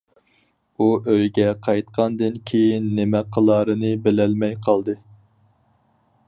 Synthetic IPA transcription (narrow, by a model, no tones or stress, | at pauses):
uʔøjɡʲɛqʰɑjt̪qʰɑnd̪ɨnkʲʰejinːɪmɛqʰːəlˠɑːɾɨnɨbɪlɛlmɛjqʰɑlˠd̪ɨ